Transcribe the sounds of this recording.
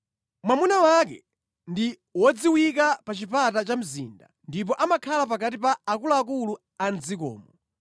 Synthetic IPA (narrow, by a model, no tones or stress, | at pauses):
mwamunawak̬ɛ̰ | ndi | wɔd͡ziwikapat͡ʃipatat͡ʃam̩zḭːnda̰ | ndip̬ɔʔamakʰalap̬akat̬ipaːkulaːk̬ulu | anzikɔ̰ːmɔ